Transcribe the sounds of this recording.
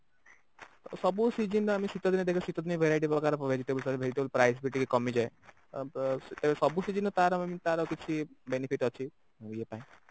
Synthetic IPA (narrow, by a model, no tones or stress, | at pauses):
sɔbusid͡ʒinamisit̪ɔt̪ned̪ekʰsit̪ɔd̪neʋʱeɾaiʈ̬ipɾɔkaɾpʋʱed͡ʒiʈebəlsɔɾʋʱed͡ʒiʈebəlpɾajsbiɾʈikekɔmid͡ʒae | t̪ebesɔbusid͡ʒinɔt̪aɾɔmemit̪aɾɔkit͡ʃʰibenipʰiʈɔt͡ʃʰi | iepaĩ